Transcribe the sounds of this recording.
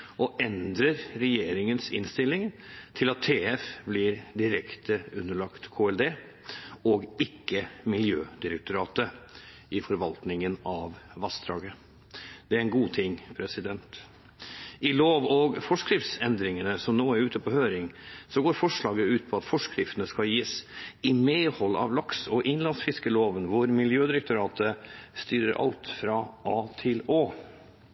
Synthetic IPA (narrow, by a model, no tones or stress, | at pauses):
ʔɔʔɛnd̪ɾəɾɾɛjeːɾɪŋənsɪ̰nst̪ɪlːɪŋt̪ʰɪlɑt̪ʰːeːɛfblɪɾd̪ɪɾɛkt̪əʉnːəɭɑkt̪kʰoːɛld̪eː | ɔɡɪkːəmɪljøːd̪ɪɾək̚t̪ʊɾɑːt̪ə | ɪfɔɾʋɑlt̪nɪŋənɑʋʋɑsd̪ɾɑ̰ːɡə | d̪̥ɛæɾɛnɡuːt̪ʰɪŋpʰɾɛsɪd̪ɛnt̪ | ɪloːʋɔɡfɔʂkɾɪft̪sɛnd̪ɾɪŋənəsɔmnoːæɾʉːt̪əpʰɔhøːɾɪŋsɔɡoːɾfɔʂɭɑːɡəʉːt̪̚pʰɔɑt̪fɔʂkɾɪft̪ənəskɑljiːsɪmeːhɔlːɑ̰ʋlɑksɔʔɪnlɑnsfɪskəloːʋənʋʊɾmɪljøːd̪ɪɾɛk̚t̪ʊɾɑːt̪ʰəst̪yːɾəɾʔɑ̰lt̪fɾɑʔɑːt̪ʰɪloː